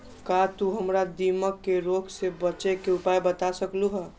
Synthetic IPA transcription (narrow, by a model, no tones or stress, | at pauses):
kat̪uɦəmɾad̪iməkːeɾoɡʱsebət͡ʃekeupajbət̪asəkluɦə